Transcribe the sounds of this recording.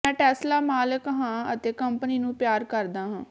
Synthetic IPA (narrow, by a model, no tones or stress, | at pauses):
mɛ̃ːʈɛːslaːmaːləkɦãːət̪eːkəmpəniːnũːpjaːɾkəɾd̪ãːɦãː